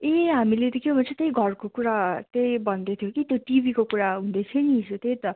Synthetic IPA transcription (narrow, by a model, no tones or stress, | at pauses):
eɦamilet̪ʌkjobʱʌnt͡sʰet̪ejɡʱʌrkokuɾat̪ejbʌnd̪et̪ʰjokit̪joʈibikokuɾaɦũnd̪et͡sʰʌnisut̪ejt̪ʌ